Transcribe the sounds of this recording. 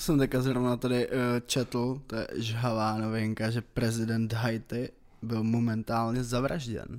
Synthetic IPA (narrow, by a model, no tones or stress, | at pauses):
sɛmt̪ɛckazɾovnat̪adɪt͡ʃɛt̪l̩t̪ojɛ̰ʒɦavaːno̞vɪŋkaʒɛpɾɛzɪdɛnt̪ɦajt̪ɪ | bɪlmomɛnt̪aːlɲɛzavɾʔaʒɟɛ̰n